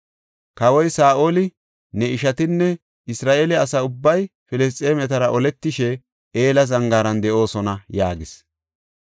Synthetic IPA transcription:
kɐwɔjsaːʔoːlɪ | nɛɪʃɐt̪ɪnːɛ | ɪsɾaːʔelɛɐsɐʊbːɐjfɪlɪs̬tʼeːmɛt̪ɐɾɐʔɔlɛt̪ːɪʃɛ | eːlɐzɐŋɡaːɾɐnd̪ɛʔo̞ːsɔnɐjaːɡɪs

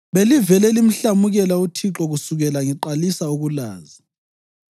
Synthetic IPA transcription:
βelivɛlɛlim̩ɬamuɣɛlautʰiǁɔɣusuɣɛlaŋiǃalisauɣula̰ːzi

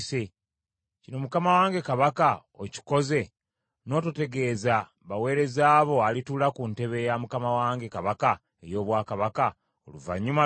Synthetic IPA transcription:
se | cino̞mukamawaːŋɡe̞kaβaka | oci̥ko̞ze̞ | no̞ːtute̞ɡe̞ːza | βawe̞ːɾe̞zaːβo̞alitulakunte̞βe̞jamukamawaːŋɡe̞kaβaka | e̞jo̞ːβwaːkaβaka | o̰luva̰ɲːuma

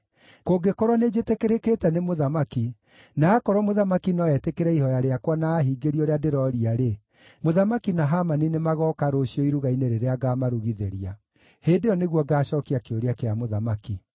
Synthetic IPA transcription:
koːɡekɔɾwaned͡ʒetekeɾeketɛnemoðamaki | naːkɔɾwɔmoðamakinɔɛtekeɾɛihɔjaɾeakwanaːɦiːɡeɾiɔɾeadeɾɔɾiaɾe | moðamakinaɦamaninemaɣɔkaɾoɕiɔiɾuɣaineɾeɾeaɡaːmaɾuɣiðeɾia | hedeɔneɣwɔɡaːɕɔːkiakeoɾeakeamoðamaki

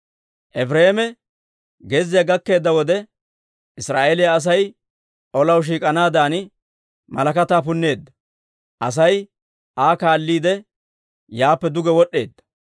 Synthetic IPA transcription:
ʔɛfɾeːmɛ | ɡezːɪjaɐɡɐkːe̞ːd̪ːɐwɔd̪ɛ | ɪsɾaːʔelɪjaːs̬ɐj | ʔɔlɐwʃ̬iːkʼɐnaːd̪aːnɪ | mɐlɐkɐt̪aːpʊnːe̞ːd̪ːɐ | ʔɐs̬ɐj | ʔaːkaːlːiːd̪ɛ | jaːpːɛd̪ʊɡɛwɔɗːe̞ːd̪ːɐ̥

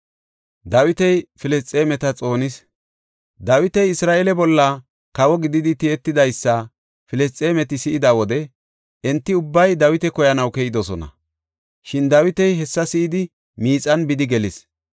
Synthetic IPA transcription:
d̪ɐwɪt̪ɛjfɪlɛst͡sʼːeːmɛt̪ɐt͡sʼo̞ːnɪs | d̪ɐwɪt̪ɛjɪsɾaːʔelɛbɔlːɐ | kɐwɔɡɪd̪ɪd̪ɪt̪ɪɛt̪ːɪd̪ɐjsːɐ | fɪlɛst͡sʼːeːmɛt̪ɪsɪʔɪd̪ɐwɔd̪ɛ | ʔɛnt̪ːɪʊbːɐjd̪ɐwɪt̪ɛkɔjɐnɐwkɛjɪd̪ɔsɔnɐ̰ | ʃɪnd̪ɐwɪt̪ɛjɦɛsːɐsɪʔɪd̪ɪ | miːt͡sʼɐnbɪd̪ɪɡɛlɪs

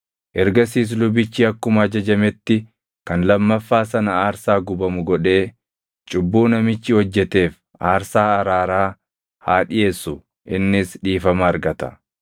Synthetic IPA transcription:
ʔɛɾɡɐs̬iːs̬lʊbɪt͡ʃːɪɐkːʊmɐːd͡ʒɐd͡ʒɐmɛt̪ːɪ | kɐnlɐmːɐfːaːs̬ɐnɐaːɾsaːɡʊbɐmʊɡɔᶑe̞ː | t͡ʃʼʊbːuːnɐmɪt͡ʃːɪhɔd͡ʒːɛt̪e̞ːf | aːɾsaːɐɾaːɾaː | haːᶑɪjeːsːʊ | ʔɪnːɪsᶑiːfɐmɐːɾɡɐt̪ɐ̥

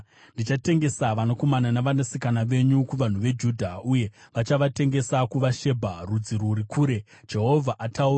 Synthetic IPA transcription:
ndit͡ʃate̞ŋɡe̞saʋanako̞mananaʋanesikanaʋe̞ɲukuʋan̤uʋe̞d͡ʒuːdʱauje̞ʋat͡ʃaʋate̞ŋɡe̞sakuʋaʃe̞bʱarud͡ziɾuɾikʰuːɾe̞ | d͡ʒe̞ɦo̞vʱaʔataura

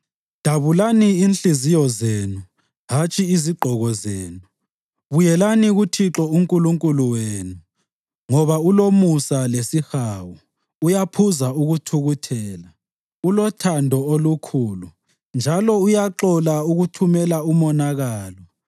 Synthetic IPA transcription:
d̥ʱaβulaniinɬizijɔzeːnu | ɦat͡ʃʼiiziɡ͡ǃʱɔɣɔzeːnu | βujɛlaniɣutʰiǁɔuŋkʼuluŋkʼuluweːnu | ŋɔβaulomusalesixawɔ | ujapʰuzauɣutʰuɣutʰɛːla | ulɔtʰandʱɔolukʰuːlu | nd͡ʒʱalɔujaǁɔlauɣutʰumɛlaumɔnaɣaːlɔ

